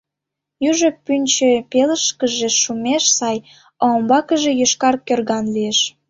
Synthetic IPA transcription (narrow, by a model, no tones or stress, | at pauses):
juʒəpynʲt͡ɕepeləʃkəʒeʃumeʃsɑj | oːmbɑkəʒejøʃkɑrkørɣɑnlieʃ